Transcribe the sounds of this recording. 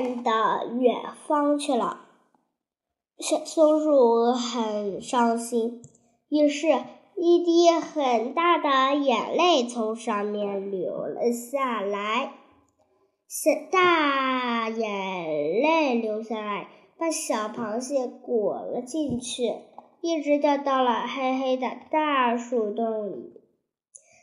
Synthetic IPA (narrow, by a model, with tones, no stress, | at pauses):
nd̪ə˧ɥɛ̰˨˩nfɑ˥ŋt͡ɕʰy˥˩lə̰˩˧ | sʊ˥ŋɻu˥˩xə˨˩nʂɑ˥ŋɕi˥n | i˥˧˩ʂɻ̩˥˧ | i˥˧t̪̬i˥˩xə˨˩nt̪a˥˩d̪ə˩jɛ˨˩nle˥˩ɪt͡sʰʊ˧˥ŋʂɑ˥˧ŋmjɛ˥˩nljo˧˥ʊlə̰˧ɕja˥˩la˧˥ɪ | ɕɛ˧˥t̪a˥˩ | jɛ˨˩nle˥˩ɪljo˧˥ʊɕja˥˩la˧˥ɪ | pa˥˩ɕjɑ˨˩ʊpʰɑ˧˥ŋɕjɛ˥˩kwɔ˨˩lə̰˦t͡ɕi˥˧nt͡ɕʰy˥˩ | i˥˩ʈ͡ʂɻ̩˧˥t̪ə˧˩t̪ɑ˥˩ʊlə˩xe˥ɪxe˥ɪd̪ə˧t̪a˥˧ʂu˥˩t̪ʊ˥˩ŋlḭ˨˩˦